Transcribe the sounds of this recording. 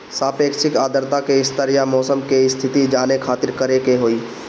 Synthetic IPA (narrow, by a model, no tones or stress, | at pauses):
saːpeːkʃɪkaːd̪əɾt̪akeɪst̪əɾijamɔːsəmkeɪst̪ʰɪt̪id͡ʒaːnekʰaːt̪ɪɾkəɾekeɦoːiː